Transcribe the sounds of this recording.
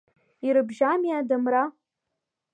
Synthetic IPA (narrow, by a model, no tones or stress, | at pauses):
iɾɨbʒamjadamra